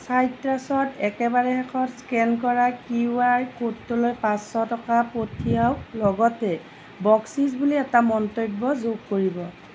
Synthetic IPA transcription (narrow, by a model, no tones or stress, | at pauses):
sajtɹasɔtɛkɛbaɹɛɦɛkʰɔtskɛnk̬ɔɹakiaɹkotːolojpãsːɔtɔkapotʰijawlɔɡɔtɛ | bɔksizbuliɛtamɔntɔbːɔzoɡ̚koɹibɔ